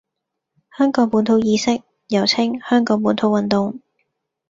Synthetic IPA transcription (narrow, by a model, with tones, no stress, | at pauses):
hœː˥ŋkɔː˨˥ŋpuː˨˥nt̪ʰo˧wjiː˧sɪ˥k̚ | jɐ˨˩wt͡sʰɪ˥ŋhœː˥ŋkɔː˨˥ŋpuː˨˧˥nt̪ʰo˧wɐ˨nt̪ʊ˨ŋ